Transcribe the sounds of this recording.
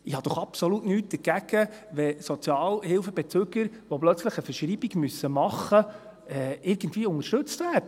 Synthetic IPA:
ɪhɑd̥̪ɔχɑpsolutnyːt̚d̥̪əɾɡ̥æɡ̥əʋɛsot͡sjɑːlhɪlfəbɛt͡søɡəɾ | ʋoblœt͡sləχəfəʃɾiːbiɡmysːəmɑχːə | ɛɪɾɡ̥ən̩tviːʊŋəɾʃtɵt͡stvæːɾdə

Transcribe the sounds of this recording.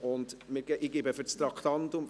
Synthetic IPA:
ʊndmɪɾɡɛʔɪɡebəfʏɾt͡st̪ɾɑkʰtɑntʊm

